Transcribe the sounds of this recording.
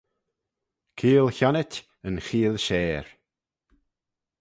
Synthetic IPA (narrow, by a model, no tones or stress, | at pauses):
kʰiːlˠçɔnɪtʲ | ənxiːlʃeːɾ